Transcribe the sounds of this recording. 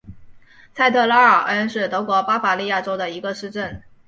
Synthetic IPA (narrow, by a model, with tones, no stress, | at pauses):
t͡sʰa˥˧ɪt̪ʰɤ˥˧la˥ə˞˨˩ʔə˥nʂɻ̩˥˩t̪ɤ˧˥kwɔ˧˥pa˥fa˧˥li˥˧ja˥˩ʈ͡ʂo˥ʊd̪ə˨i˧˥ɡə˧ʂɻ̩˥˧ʈ͡ʂə˥˩n